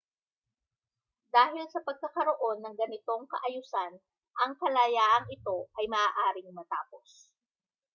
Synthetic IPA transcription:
d̪aːɦɪlsɐpɐɡ̚kɐkɐɾoʔo̞nːɐŋɡɐnɪt̪o̞ŋkɐʔɐjusan | ʔɐŋkɐlɐjaːʔɐŋɪt̪o̞ʔɐjmɐʔaːʔaːɾɪŋmɐt̪aːpo̞s

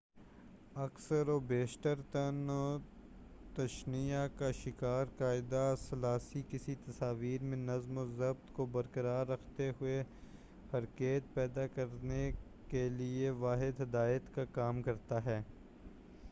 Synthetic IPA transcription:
ɐksəɾobeːʃʈ̪əɾt̪ɐno | t̪ɐʃnijakaʃɪkaːɾkaːɪd̪asɐlaːsikɪsit̪ɐsaːʋiːɾmẽnɐzmozɐb̚t̪kobɐɾkəɾaːɾːɐkʰt̪eɦʊe | hɐɾkeːt̪̚pɛːd̪akɐɾne | kelieʋaːɦɪd̪ɦɪd̪aːjət̪kakaːmkɐɾt̪aɦɛː

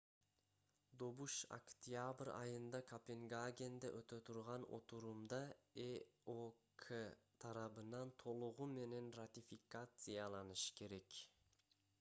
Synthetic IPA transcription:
d̪o̞βuʃa̰kt̪ʲjabrɑ̰jɯnd̪ɑkʰopʲeŋɡaɡʲe̞nd̪eʔøt̪øt̪ʰuɾʁɑno̞̰t̪uɾumd̪ɑeokʰet̪ʰɑɾɑβɯnɑnt̪ʰo̞lˠuʁume̞ne̞nrat̪ʲifʲikat̪sɨjɑlˠɑnɯʃɯ̥ke̞ɾe̞k

